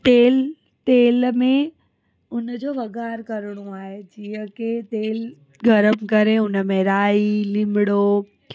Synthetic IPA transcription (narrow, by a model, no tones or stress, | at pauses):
t̪eːl | t̪eːlmẽ | ʊnd͡ʑoːʋɐɡaːɾkɐɾɽ̃uaːɦed͡ʑiɦə̃ket̪eːl | ɡʱɐɾəmkɐɾeʊnəmẽɾaːilɪ̃mɽo